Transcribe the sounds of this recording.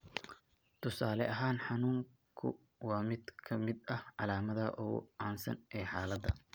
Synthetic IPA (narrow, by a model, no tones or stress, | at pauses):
t̪ʰʊsaːlɛɐɦaːnħɑnuːŋ | kʰʊ̰ | wɑːmɪd̪kʰɐmɪd̪ɐhʕɑlaːmɐðɐʔʊɣʊ̰ʔaːnsɐ̰nʔɛːħaːlɐd̪ːɐ̰